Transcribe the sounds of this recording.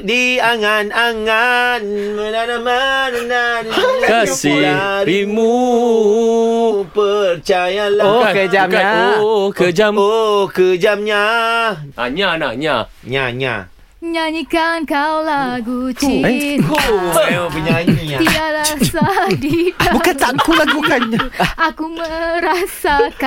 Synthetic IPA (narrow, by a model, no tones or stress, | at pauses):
diaŋanaŋan | mənanamannankasiaɾimu | pəɾt͡ʃajalokəd͡ʒamokəd͡ʒamokəd͡ʒamɲa | a̰ɲanaɲa | ɲaɲã̰ | ɲaɲikankawlaɡut͡ʃia | apəɲaɲiat̪idaʔɾasadibukant̪aʔkulaɡubukanɲakuməɾasaka